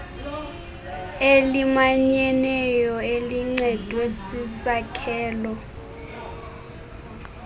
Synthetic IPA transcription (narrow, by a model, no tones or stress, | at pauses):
elimaɲɛnɛjɔeliŋ͡ǀɛd̥ʱwesisakʰɛːlɔ